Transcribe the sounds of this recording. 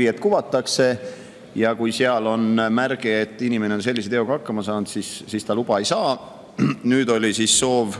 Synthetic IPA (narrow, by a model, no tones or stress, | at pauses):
iet̪kuvɑt̪ːˑɑkse̞ | jɑkujseɑlo̞nmærɡ̥eet̪ːˑinimeneo̞nse̞lːis̬ee̞ouɡ̥ɑɑkːɑmɑsɑːnd̪̥sissiːst̪ɑlub̥ɑe̞jsɑː | nyːd̪o̞lʲisisːo̞ːv